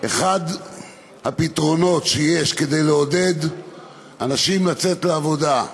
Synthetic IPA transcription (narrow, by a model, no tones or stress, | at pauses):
ʔe̞χad̪ | hapit̪ʁo̞no̞tʃeje̞ʃke̞d̪e̞jleode̞d̪ | anaʃimlat͡se̞t̪leavo̞d̪a